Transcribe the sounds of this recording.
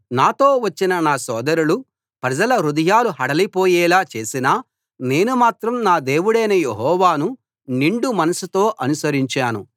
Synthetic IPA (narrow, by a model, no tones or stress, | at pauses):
naːt̪o̞ːʋɐt͡ʃːinɐnaːsɔːd̪ɐɾulu | pɾɐd͡ʒɐlɐɾud̪ɐjaːluɦɐɽɐlipoːjɛːlaːt͡ʃe̞ːsinaː | ne̞ːnumaːt̪ɾɐmnaːd̪e̞ːwuɽɐjnɐjeɦɔːʋaːnu | niɳɖumɐnɐsut̪o̞ːʔɐnusɐɾiɲt͡ʃaːnṵ